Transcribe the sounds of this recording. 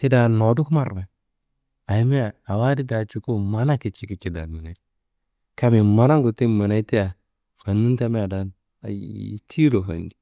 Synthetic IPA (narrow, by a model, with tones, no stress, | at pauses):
ti˦da˨nɔ˨du˦kma˦ɾma˨ | a˨i˦me˦a˨a˨wa˦di˦da˨t͡ʃu˨ko˦ma˨na˦ki˨t͡ʃi˦ki˨˦t͡ʃi˨da̰˨mi˨na˨˦ | ka˦mi˨ma˨˦na˦ŋɡu˨ti˦ma˨na˦i˦ti˦ja˨ | fa˨nːi˦nta˦me˦a˨da˦n | a̰˨j̰tʰi˦ɾo˨fa̰˨ndi˨